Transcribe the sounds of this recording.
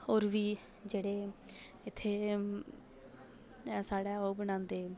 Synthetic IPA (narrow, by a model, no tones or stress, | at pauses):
oːɾʋiː | d͡ʒeːɽeː | ɪt̪ʰːeː | saːɽɛːoːbəñãːnd̪eː